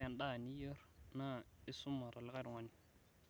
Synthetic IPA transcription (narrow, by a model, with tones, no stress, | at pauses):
a˦˨nɗa˦˨ni˦jə˦ɾna˦i˦su˦ma˨ɾa˨le˦ka˦ɾi˨wa˦ni˨